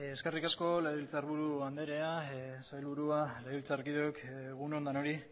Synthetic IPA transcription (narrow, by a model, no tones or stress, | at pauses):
eske̞rikasko̞leðiilt͡saɾβuɾuand̪e̞ɾe̞asajlβuɾualeðilt͡saɾkiðoekɣunond̪ano̞ɾi